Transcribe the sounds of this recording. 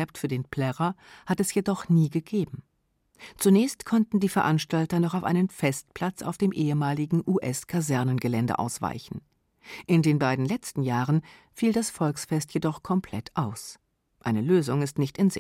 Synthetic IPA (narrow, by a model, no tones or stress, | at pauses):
ɛptfyːɐdeːnpʰl̥ɛʁɐhatɛsjedɔχniːɡəɡeːbm̩ | t͡sunɛːçstkʰɔntn̩diːfɛɐʔanʃtaltɐnɔχaʊfʔa̰ɪnənfɛst̚pʰl̥at͡sa̰ʊfd̥eːmʔeːəmaːlɪɡŋ̩ʔuʔɛskʰazɛɐnənɡəlɛndə̰ʔa̰ʊsv̥a̰ɪçn̩ | ʔɪndeːnbaɪdn̩lɛt͡stn̩jaːʁən | fiːldasfɔlksfɛstjedɔχkʰɔmpʰl̥ɛ̰tʰʔaʊs | ʔaɪnəløːzʊŋɪstnɪçtɪnzɪ̰